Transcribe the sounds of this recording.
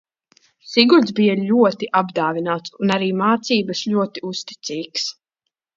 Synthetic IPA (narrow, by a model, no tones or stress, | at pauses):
siɡulʲz̬bijaʎʲuɔt̪iʔabd̪aːvinaːt̪sunaɾiːmaːt̪siːbɐsʎʲuɔt̪iust̪i̥t̪siːks